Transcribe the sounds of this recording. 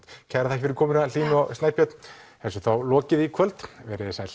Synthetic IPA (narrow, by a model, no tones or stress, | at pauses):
t̪cʰajɾaðθɛhcɪfɪɾɪɾ̥kʰɔːmɪnaliːnʏawst̪ajpjœt̪n̥hɛsʏθawlɔːcɪðikʰvœlt̪vɛɾɪðsaːjl